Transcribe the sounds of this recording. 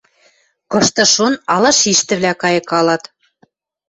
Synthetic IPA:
kɤ̆ʃt̪ɤ̆ʃonɑlɑʃiʃt̪ɘ̆βlʲækɑjɤ̆kɑlɑt̪

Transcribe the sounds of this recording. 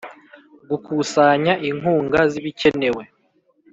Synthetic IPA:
ɡukuːsaɲaʔiŋɦuːŋɡaziβice̞ne̞we̞

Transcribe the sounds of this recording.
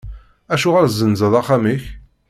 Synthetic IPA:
æʃuʁəɾzːənzəðˤɑχamiç

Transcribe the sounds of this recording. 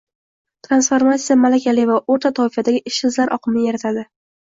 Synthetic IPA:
t̪ʰɾansfoɾmat̪sjamalakʲʰalɪvaʔoɾt̪ʰat̪ʰɒɪfad̪aɡʲɪʔɪʃɪzlaɾʔɒ̰qʰɨmɪjeɾat̪ʰad̪ɪ

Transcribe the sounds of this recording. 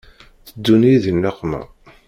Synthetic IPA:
θəd̪ːuniðinːaqːmæ̰

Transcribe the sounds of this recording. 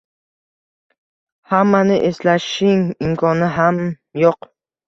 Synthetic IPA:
hamːanɪʔeslaʃɪŋɪmkʰɒnɪɦam | joq

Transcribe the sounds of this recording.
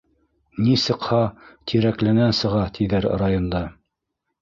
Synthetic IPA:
nisɤ̆qhɑt̪ʰiɾæklænænsɤ̆ʁɑt̪ʰiðæɾrajond̪ɑ

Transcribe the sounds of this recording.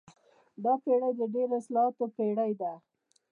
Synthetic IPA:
d̪ɑpeɽajd̪əɖeɾoɪslɑhɑt̪opeɽajd̪a

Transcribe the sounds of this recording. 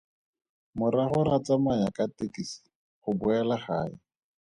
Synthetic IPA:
mʊɾaχʊɾat͡samajakatekisi̥ | χʊbʊɛlaχa̰ːɪ̰

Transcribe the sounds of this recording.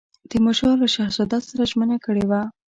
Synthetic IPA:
d̪̥əmʊʃɑɾlaʃahsad̪ɑt̪saɾaʒmənakəɽewa

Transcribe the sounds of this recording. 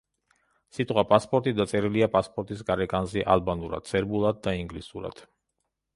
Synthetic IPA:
sit̪ʼqʼwapʼaspʼɔɾt̪ʼid̪at̪sʼɛɾiliapʼaspʼɔɾt̪ʼisɡʼaɾɛkʼanziʔa̰lˠbanuɾa̰d̪̥sʰʼɛɾbulˠad̪̚ːaiŋɡlisuɾa̰d̪̥

